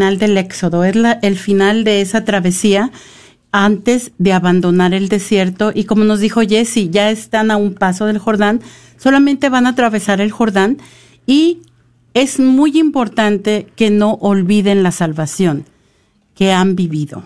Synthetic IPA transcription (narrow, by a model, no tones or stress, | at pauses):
ald̪e̞le̞kso̞ðoe̞zlaʔelfinald̪e̞esat̪ɾaβe̞sia | ant̪e̞zðe̞aβand̪o̞naɾe̞ld̪e̞sje̞ɾt̪o̞ʔiko̞mo̞no̞zðixo̞ʝe̞siʝaest̪anaumpaso̞ð̞e̞lxo̞ɾðan | so̞lamẽnt̪e̞βanat̪ɾaβe̞saɾe̞lxo̞ɾðan | i | e̞zmujimpo̞ɾt̪ant̪e̞ke̞no̞ʔolβiðe̞nlasalβasjo̞ŋ | ke̞ambiβiðo̞̰